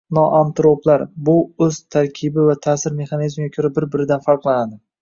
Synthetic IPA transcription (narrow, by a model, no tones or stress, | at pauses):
nɒʔant̪ɾoplaɾbʊɵz̥t̪ʰaɾkʲʰɪbɪvat̪ʰaːsɪɾme̞χɑnizmɡʲakʲʰɵɾabɪɾbɪɾɪd̪anfaɾqlˠanad̪ɪ